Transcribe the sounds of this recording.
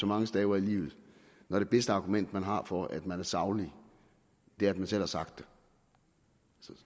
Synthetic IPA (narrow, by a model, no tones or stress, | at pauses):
sɒ̽mɑ̈ŋəsd̥ɛːʊɐilḭːʊð̩ˠ | nɒɾ̥e̝b̥esd̥əɑ̈ɡ̥umen̰d̥mænɦɑ̈fɒæd̥mænæɐsɑ̈ʊli | d̥e̝æɐæd̥̚mænsel̰hɑ̈sɑ̈ɡ̥̚d̥e | s